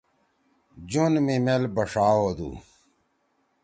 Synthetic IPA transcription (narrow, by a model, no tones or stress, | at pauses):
d͡ʑunmimelbɐʂaːwoːd̪ṵː